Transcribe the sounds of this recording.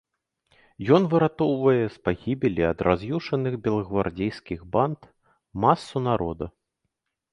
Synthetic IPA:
jɔn̪vɨɾat̪ɔwvɐjɛspaɣʲibʲɪlʲiɐd̪rʔazjuʂɐnɨɣbʲɛlˠɐɣvard͡zʲejskʲiɣbant̪ | masːunaɾɔd̪ɐ

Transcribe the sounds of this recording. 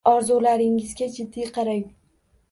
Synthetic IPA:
ɒɾzulaɾɪŋɪzɡʲad͡ʒɪd̪ːijqʰɑɾaj

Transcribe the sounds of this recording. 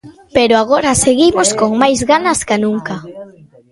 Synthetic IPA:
peɾʊaɣ̞oɾaseɣimoskoŋmajzɣanɐskanũŋka

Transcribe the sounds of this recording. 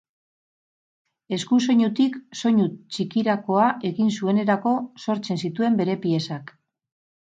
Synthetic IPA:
e̞skuso̞ɲut̪ikso̞ɲut͡ʃikiɾako̞aʔe̞ɣinsue̞ne̞ɾako̞so̞ɾt͡se̞nsit̪ue̞mbe̞ɾe̞pie̞sak

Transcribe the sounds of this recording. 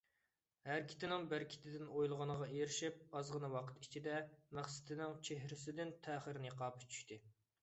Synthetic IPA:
hæɾkʲʰɪ̥t̪ʰɪnɪŋbɪɾkʲʰɪ̥t̪ʰɪd̪ɪnojlˠʁɑnəʁɑejɾɪʃip̚ɑzʁənɨwɑqʰə̥t̪it͡ʃʰid̪ɛmæχsɪ̥t̪ʰɪnɪŋt͡ʃʰeɦɾɪsɪd̪ɪnt̪ʰæːχəɾɪnɨqʰɑːpʰt͡ʃʰy̥ʃt̪ʰɪ

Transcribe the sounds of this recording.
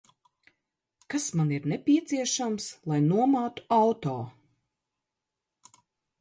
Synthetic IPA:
kasmaniɾnɛpʲiɛt̪siɛʃamslˠajnuɔmaːt̪u̥awt̪oː

